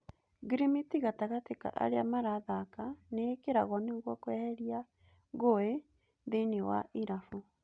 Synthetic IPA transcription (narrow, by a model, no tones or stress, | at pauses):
ɡɾimitiɣataɣateka̰ʔa̰ɾeamaɾaðakaneːkeɾaɣɔneɣwɔkwɛhɛɾja | ɣoe | ðenewa̰ʔiɾafu